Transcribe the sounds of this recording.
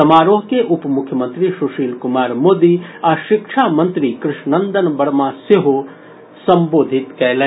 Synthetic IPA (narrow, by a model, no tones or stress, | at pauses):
ɐmaːɾoːɦkeʔʊpmʊkʰjəmə̃nt̪ɾiʃuʃiːlkʊmaːɾmoːd̪iaːʃɪkʃʰaːmɐ̃nt̪ɾikɾɪʃnɐnd̪ənbɐɽmaseɦo | sɐ̃mboːd̪ʱɪt̪kɛɦlẽ